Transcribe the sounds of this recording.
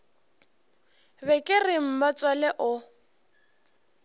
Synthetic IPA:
bɛkʼɪrɪm̩bat͡sʼwalɛʔʊ

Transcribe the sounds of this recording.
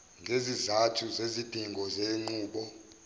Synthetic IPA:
ŋɡʱezizatʰuzezid̥ʱiŋʱɔzeŋ͡ǃuːɓɔ

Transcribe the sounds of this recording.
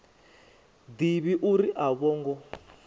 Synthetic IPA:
d̪iβiʔuɾiʔaβɔːŋɡɔ

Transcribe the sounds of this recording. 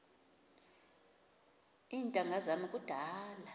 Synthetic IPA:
iːntʼaŋɡʱazamikʼud̥ʱaːla

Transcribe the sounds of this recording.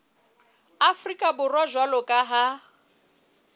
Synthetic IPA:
afrikʼabʊrwaʒwalɔkʼaɦa

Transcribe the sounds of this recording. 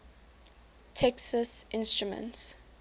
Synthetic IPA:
tʰɛksəsʔɪ̃nstɹumə̰̃nts

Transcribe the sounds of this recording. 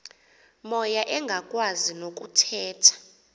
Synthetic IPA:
mɔjaʔɛŋɡʱakʼwazinokʼutʰɛːtʰḁ

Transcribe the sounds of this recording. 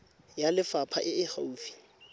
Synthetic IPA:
jalɪfapʰa̰ʔɪɪha̰uːfi̥

